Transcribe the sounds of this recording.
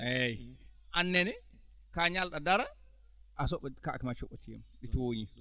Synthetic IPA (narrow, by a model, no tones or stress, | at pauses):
ʔɛjʔanːɛnɛ | kaɲalɗadaɾa | ʔasɔɓɛkaʔkimat͡ʃɔɓɔtijɛ̰mɗitwoɲi